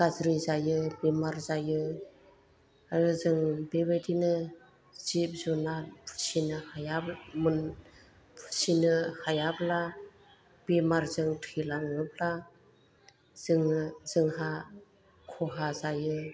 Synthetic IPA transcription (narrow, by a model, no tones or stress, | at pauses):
ɡazɾizajɯbemaɾzajɯ | aɾɯzɯŋbebedinɯ | zip̚zunapʰsinɯhajamun | pʰsinɯhajabla | b̥emaɾzɯŋtʰilaŋɯb̚la | z̥ɯŋzɯŋɦa | kʰɔɦazajɯ